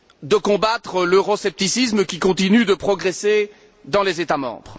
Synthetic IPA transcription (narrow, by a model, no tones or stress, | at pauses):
d̪əkɔ̃bat̪χəløʁɔsɛp̚t̪isisməkʲikɔ̃t̪inyd̪əpχɔɡʁese | d̪ɑ̃lezet̪amɑ̰̃bʁ